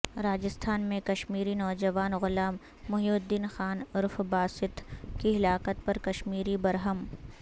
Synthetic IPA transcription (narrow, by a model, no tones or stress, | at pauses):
ɾaːd͡ʒɪst̪ʰaːnmẽkɐʃmiːɾinɔːd͡ʒɐʋaːnɣʊlaːmː | ʊɦjuːd̪iːnxaːnʊɾfbaːsɪt̪kiɪlaːkət̪̚pɐɾkɐʃmiːɾibɐɾɦəm